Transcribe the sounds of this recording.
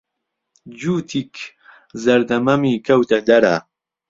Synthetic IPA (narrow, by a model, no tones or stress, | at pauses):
d͡ʒuːt̪ʰik | zɐɾd̪ɐmɐmikʰɐwt̪ʰɐd̪ɐɾa̰